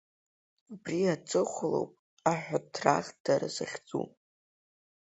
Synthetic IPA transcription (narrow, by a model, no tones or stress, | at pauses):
abriat͡sʼɨχʷʊlo̰wpʼ | aħʷᶣatʰra̰χʲd̥aɾa̰zaχʲd͡zʼṵ